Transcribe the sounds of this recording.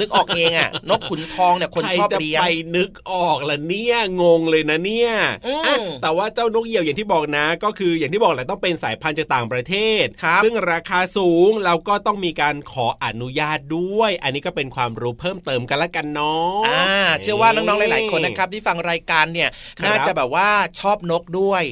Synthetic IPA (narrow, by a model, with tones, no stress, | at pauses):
nɯ˦˥kʔɔː˨˩k̚ʔeː˧ŋʔa˨˩no˦˥kʰːu˨˩˦nt̪ʰɔː˧ŋni˥˩ɐkʰo˧nat͡ɕjɔː˥˩pt͡ɕa˨˩i˧pa˧jnɯ˦˥k̚ʔɔː˨˩k̚la˨˩ni˦˥˩ɐŋo˧ŋlɤː˧jna˦˥ni˦˥˩ɐʔːʔa˧˩t̪ɛː˨˩waː˥˩t͡ɕaː˥˩wno˦˥k̚ji˨˩əwja˨˩ŋt̪ʰiː˥˩bɔː˨˩k̚na˦˥kɔː˥˩kʰɯː˧ja˨˩ŋi˥˩bɔː˨˩kla˨˩t̪ɔ˥˩pe˧nsaː˩˦jpʰa˧nt͡ɕaː˨˩k̚t̪aː˨˩ŋpɾa˧t̪ʰeː˥˩t̪̚kʰa˦˥sɯ˥˩ŋɾaː˧kʰaː˧suː˩˦ŋlɛː˦˥wkɔː˥˩t̪ɔ˥˩ŋmiː˧kaː˧nkʰɔː˩˦ʔa˧˩nu˦˥jaː˥˩t̪̚du˥˩əjʔa˧nːiː˦˥kɔː˥˩pe˧nkʰwaː˧mɾuː˦˥pʰɤː˥˩mt̪ɤː˧mka˧nlɛ˦˥ka˧nːɔ˦˥aː˧ɯ˥˩ɐ˩waː˥˩nɔː˥˩ŋnɔː˦˥ŋlːlaː˨˦jkʰo˧nːa˦kʰa˦˥p̚t̪ʰiː˥˩fa˧ŋɾaː˧jkaː˧nːi˥˩ɐn˧aː˥˩˦t͡ɕa˨˩bɛː˨˩p̚waː˥˩t͡ɕʰɔː˥˩p̚no˦˥k̚du˥˩əj